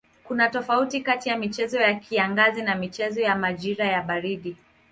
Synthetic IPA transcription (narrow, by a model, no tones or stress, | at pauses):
kunatɔfautikatijamit͡ʃɛzɔjakʰiaŋɡazinamit͡ʃɛzɔjamaʄiɾajaɓaɾiɗi